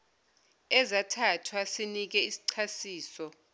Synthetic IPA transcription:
ɛzatʰatʰwasinik̬ɛisi̥ǀʰasiːsɔ

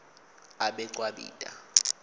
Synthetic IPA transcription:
aɓɛǃʼwaɓḭːtʼa̰

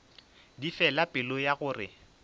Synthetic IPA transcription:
difɛlapʼɪlojaɣʊːrɪ

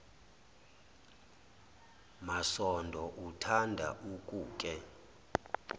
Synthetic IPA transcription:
masɔndʱɔʔutʰandʱa̰ʔukʼuːkʼɛ

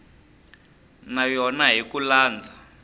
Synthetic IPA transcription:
najɔnaɦikulaːnd͡zʱa

